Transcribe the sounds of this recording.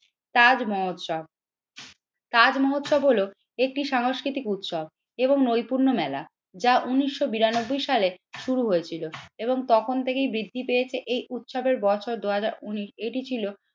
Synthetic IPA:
t̪ad͡ʑmɔot̪ʃb̚ | t̪ad͡ʑmɔɦot̪ʃɔbɦolo | ek̚ʈiʃaŋoʃkɾit̪ikut̪ʃɔb̚ | eboŋnojpuɾnomɛla̰ | d͡ʑaʔuniʃːobiɾanobːojʃaleʃuɾuɦoet͡ɕʰiloeboŋt̪ɔkʰont̪ʰekejbɾid̪ʱːipejet͡ɕʰeʔejʔut̪ʃɔbeɾbɔt͡ɕʰoɾd̪uɦad͡ʑaɾuniʃeʈit͡ɕʰilo

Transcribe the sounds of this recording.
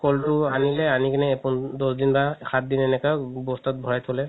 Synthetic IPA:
kɔltʊanilɛanikɛnɛːpundɔsdinbakʰat̚dinɛnɛkabɔstat̚bʱɔɹajtʰɔlɛ

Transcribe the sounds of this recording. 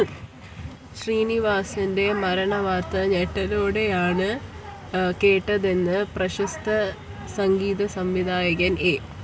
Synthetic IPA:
ɕriːniʋaːsɐnde̞mɐɾɐɳɐʋaːt̪ːɐɲeʈːɐloːɽe̞jaːɳɨ | keːʈːɐðenːɨprɐɕɐst̪ɐ | sɐŋɡiːðɐsɐmʋid̪ʱaːjɐɣɐneː

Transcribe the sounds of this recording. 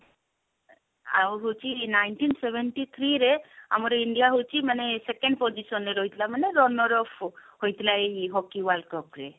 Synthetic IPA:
a̰ɦot͡ʃʰinaɪɳʈinseʋeɳʈit̪ʰɾiɾea̰mɔɾeiɳɖijaɦowt͡ʃʰimənesekẽɳɖ̚pɔd͡ʒisɔnːeɾɔɦjt̪ʰlaməneɾɔnɔɾɔfhojt̪ʰlaeiɦɔkiʋalkɔpɾe

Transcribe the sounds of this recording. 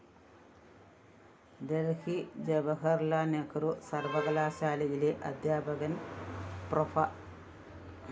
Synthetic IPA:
d̪ɐɾkid͡ʒɐbɐɦɐɾlanekɐɾusɐɾʋɐɡɐlaːsaːlɐileʔɐd̪jaːbɐɡɐnpɾɔfa

